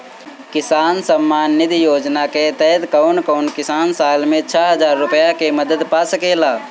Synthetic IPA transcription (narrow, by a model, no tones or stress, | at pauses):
kɪsaːnsəmːaːnːɪd̪joːd͡ʒnaket̪ɛd̪kəːnkəʊnkɪsaːnsaːlmẽt͡ʃʰəɦəd͡ʒaːɾːʊpəjakeməd̪əd̪pasəkelaː